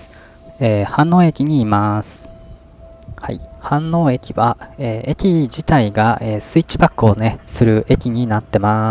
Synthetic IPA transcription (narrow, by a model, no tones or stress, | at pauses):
eːhãnːo̞ːe̞kʲiɲ̟iːmasɨ̥ | ha̰ḭhãnːo̞ːe̞kʲiβaeːekʲid͡ʑit̪aiɡaeːsɨit͡ɕibakːɯ̟one̞sɨɾɯ̟ʔe̞kʲiɲ̟inat̪ːe̞ma